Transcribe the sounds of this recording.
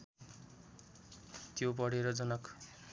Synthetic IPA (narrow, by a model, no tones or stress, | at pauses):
t̪jobʌɽeɾʌd͡zʌnʌk